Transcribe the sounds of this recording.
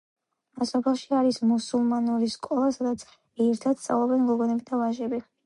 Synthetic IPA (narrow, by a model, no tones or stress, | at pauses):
asɔpʰɛlˠʃiaɾismusulˠmanuɾiskʼɔlˠasad̪at̪sʰ | ɛɾt̪ʰad̪̥st̪ʼa̰vlˠɔbɛnɡɔɡɔnɛbid̪avaʒɛbi